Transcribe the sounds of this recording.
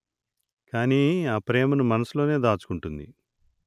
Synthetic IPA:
kaːniːaːpɾɛːmɐnumɐnɐsulo̞ːne̞ːd̪aːt͡ʃu̥kuɳʈund̪ḭ

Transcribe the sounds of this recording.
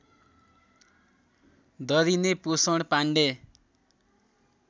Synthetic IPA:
d̪ʌɾinepusʌɽ̃paɳɖe

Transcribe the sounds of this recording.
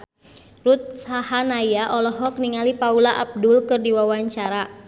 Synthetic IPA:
rut̪̚sahanajaʔɔlɔɦɔk̚niŋalipaulaʔab̚dulkɨrdiwawaɲt͡ʃaɾa

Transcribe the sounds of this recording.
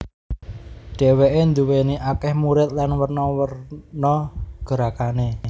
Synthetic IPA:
ɖ̥ɛ̤weʔend̪uweniʔakɛhmuɾɪt̪̚lanwərnɔwərnɔɡ̥ə̤ɾakane

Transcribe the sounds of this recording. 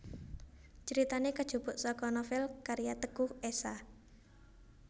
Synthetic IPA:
t͡ʃəɾit̪anekəd̥ʒ̥ṳb̥ʊ̤ʔ̪sɔkɔnɔfɛlkaɾijat̪əɡ̥uhesa

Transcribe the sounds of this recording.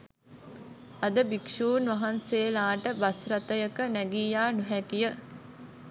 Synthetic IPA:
ɐd̪əbikʃuːnʋaɦanseːlaːʈəbasɾat̪əjəkənɛɡiːjaːnuɦɛkijə

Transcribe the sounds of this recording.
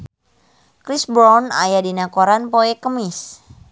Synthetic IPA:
kɾisbɾɔna̰jadinakoɾanpoɛkəmis

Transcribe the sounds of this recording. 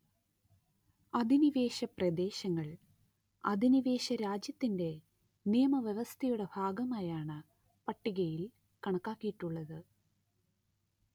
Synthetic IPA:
ɐd̪ʱiniʋe̞ːɕɐprɐd̪e̞ːɕɐŋːɐɭ | ɐd̪ʱiniʋe̞ːɕɐɾaːd͡ʑjɐt̪ːinde̞ | nijɐmɐʋjeʋɐst̪ʰɐjuɽe̞bʱaːɡɐmaːjaːɳɨ | pɐʈːiɣɐjil | kɐɳɐkːaːkːijiʈːuɭːɐðɨ

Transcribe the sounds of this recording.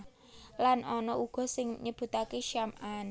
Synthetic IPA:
lanɔnɔuɡ̥ɔ̤sɪŋɲəb̥ṳt̪akeʃamʔan

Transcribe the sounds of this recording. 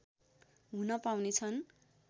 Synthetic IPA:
ɦunʌpawnet͡sʰʌn

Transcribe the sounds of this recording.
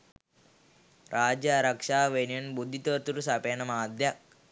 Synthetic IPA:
ɾʔaːd͡ʒjɐɾɐkʂaːʋeːnjunbud̪ʱːit̪oɾt̪uɾusɐpeːnɐmaːd̪ʱjɐk

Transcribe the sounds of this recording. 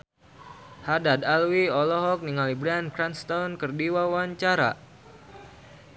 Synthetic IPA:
hadad̪alwiɔlɔɦɔk̚niŋalibɾandkɾanst̪ɔwnkərdiwawaɲt͡ʃaɾa̰

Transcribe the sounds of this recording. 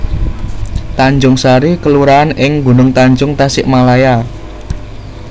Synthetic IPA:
t̪aɲd͡ʒʊŋsaɾikəluɾaːnɪŋbṳnʊŋt̪aɲd͡ʒʊŋt̪asɪʔmalaja

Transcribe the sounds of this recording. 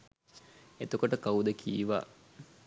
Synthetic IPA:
et̪ukoʈəkaud̪əkʰḭːʋa̰

